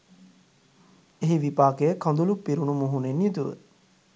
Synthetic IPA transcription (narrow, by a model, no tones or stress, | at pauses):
eɦiʋipaːkejəkɔ̃nd̪ulupːiɾunumuɦunenjit̪uʋə̰